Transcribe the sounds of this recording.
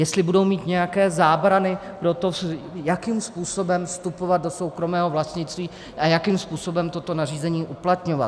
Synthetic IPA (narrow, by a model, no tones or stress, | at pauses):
jɛst̪lɪbudo̞wmiːt̪ɲɛjakɛːzaːbɾanɪ | pɾo̞t̪o̞jakimspuːso̞bɛmfst̪upo̞vad̪̚do̞so̞wkɾo̞mɛːɦo̞vlast̪ɲɪtt͡st̪viː | ʔajakimspuːso̞bɛmt̪o̞t̪o̞nariːzɛɲiːʔuplat̪ɲo̞va̰t̪